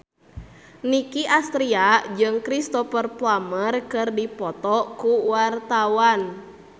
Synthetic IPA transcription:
nikiʔast̪ɾiad͡ʒɨŋkɾist̪ɔfərplamərkɨrdipɔt̪ɔkuwart̪awan

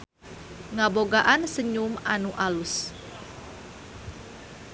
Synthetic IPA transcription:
ŋaboɡaʔansəɲumanuʔalus

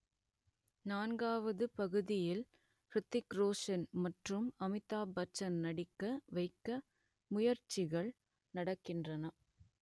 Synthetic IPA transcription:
naːnɡaːʋɐðɯpɐɣɯðɪjɪl | pɾɪt̪ːɪkɾoːʂɐnmɐʈrɯmɐmɪt̪ːaːbɐt͡ʃːɐnnɐɽɪkːɐʋɐɪkːɐ | mʊjɐɾt͡ʃɪɣɐɭ | nɐɽɐkːɪndrɐnɐ

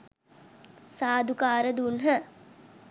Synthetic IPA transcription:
saːd̪ʱukaːɾəd̪unɦə

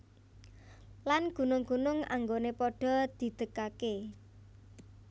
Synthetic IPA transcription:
lanɡ̥ṳnʊŋɡ̥ṳnʊŋa̰ŋɡonepɔɖ̥ɔ̤d̪̥i̤d̪̥əkake

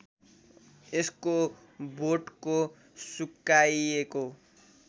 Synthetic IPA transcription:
esko | boʈko | sukːaieko

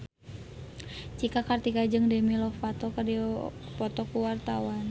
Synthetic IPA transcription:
t͡ʃikakart̪ikad͡ʒɨŋdɛmilɔfat̪ɔkədipɔt̪ɔkuwart̪awan

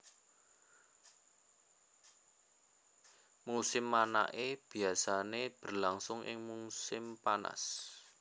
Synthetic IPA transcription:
musɪmːana̰ʔeb̥i̤asaneb̥ərlaŋsʊŋʔɪ̰ŋmusɪmpana̰s

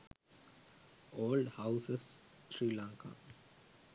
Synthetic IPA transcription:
oːlɖhaʊses | sɾiːlãːŋka̰

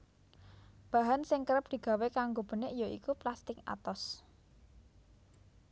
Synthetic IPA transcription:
b̥ä̤ɦansɪŋkəɾəp̚d̪̥i̤ɡ̥a̤wekaŋɡob̥ə̤nɪʔjoḭkuplast̪ɪka̰t̪ɔs

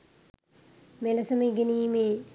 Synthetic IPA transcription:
melɐsɐməɡeniːme

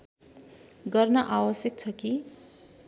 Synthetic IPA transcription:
ɡʌrnʌʔawʌsjʌk̚t͡sʰʌki

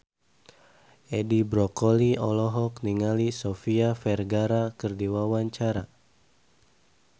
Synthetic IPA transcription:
ʔedibɾɔkɔliɔlɔɦɔkniŋalisofiafɛrɡaɾakərdiwawaɲt͡ʃaɾa

